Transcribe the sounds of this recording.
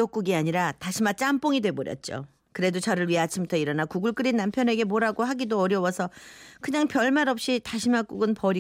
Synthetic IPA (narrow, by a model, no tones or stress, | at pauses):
ok͈̚uɡiaɲiɾataɕʰimat͡ɕ͈amp͈oŋidwe̞boɾjʌ̰t̚t͡ɕ͈o̰ | kɯɾe̞dot͡ɕaɾɯɭɥiat͡ɕʰimtʰʌiɾʌnakuɡɯɭk͈ɯɾinːampʰjʌne̞ɡe̞moɾaɡohaɡidoʌɾjʌwʌsʰʌkɯɲaŋpjʌɭmaɾʌp̚ɕ͈itaɕʰimak͈uɡɯnpʌɾi